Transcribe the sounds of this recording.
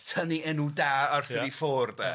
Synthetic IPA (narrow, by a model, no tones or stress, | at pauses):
tʰəniɛnudaːarθɾifoːrdɛ̰